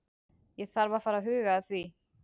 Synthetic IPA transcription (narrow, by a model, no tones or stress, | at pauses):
jɛɣθaɾvafaːɾaɦʏːɣaðθvi